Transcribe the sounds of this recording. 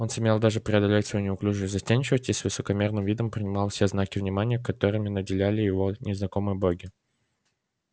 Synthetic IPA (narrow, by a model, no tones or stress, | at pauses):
o̞nsʊmʲe̞lˠd̪aʐɨpɾʲɪɐd̪ɐlʲetʲsvɐjunʲɪʊklʲuʐɨzɐsʲtʲenʲt͡ɕɪvəsʲtʲisvɨsəkɐmʲe̞rnɨmvʲid̪əmpɾʲɪnʲɪmɑlˠfsʲeznakʲɪvnʲɪmanʲɪjəkɐt̪o̞ɾɨmʲɪnədʲɪlʲælʲɪjɪvo̞nʲɪznɐko̞mɨjəboɡʲɪ